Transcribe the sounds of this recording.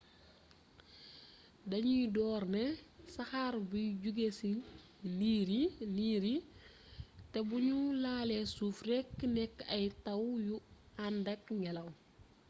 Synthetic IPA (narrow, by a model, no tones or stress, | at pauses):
dɐɲujidɔːrnɛsɐxaːrbuɟuɡesi | liːɾiliːɾi | tɛbuɲulaːlɛsuːfrɛkːnɛkːɐjtɐwju | andɐkŋɡɛlɐw